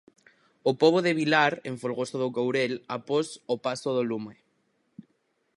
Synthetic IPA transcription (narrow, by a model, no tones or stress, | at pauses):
opoβ̞oðeβilaɾeɱfolɣosoðʊkowɾelaposopasoðolume